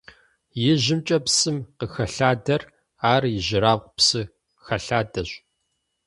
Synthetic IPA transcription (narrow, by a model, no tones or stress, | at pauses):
jɪʒɪmt͡ʃʼɐpsɨmqəxɐɬaːdɐr | aːrjɪʒɪɾaːqʷʊpsɨ | xɐɬaːdɐɕʷ